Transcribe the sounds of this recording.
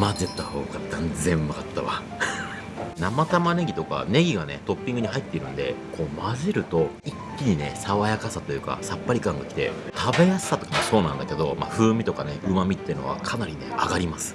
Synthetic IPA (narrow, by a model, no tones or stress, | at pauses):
mazet̪ːaho̞̰ːɡat̪ːãnzẽ̞mːakat̪ːaβa̰ | namat̪amane̞ɡʲit̪o̞ka̰ne̞ɡʲiɡane̞̰t̪o̞pʲːĩŋɡɯ̟ɲ̟ihait̪ːe̞iɾɯ̟̃nd̪e̞̰ko̞ːmazeɾɯ̟t̪o̞ | ikʲːiɲ̟ine̞̰saβajakasat̪o̞jɯ̟ːka̰sapːaɾʲikãŋɡakʲi̥t̪e̞̰t̪ʰabe̞jasɨ̥sat̪o̞kamoso̞ːnãnd̪ake̞d̪o̞ma̰ɸɯ̟ːmʲit̪o̞kaneɯ̟mamʲit̪ːeɯ̟no̞̰βa̰kʰanaɾʲine̞̰a̰ɡaɾʲimasɨ̥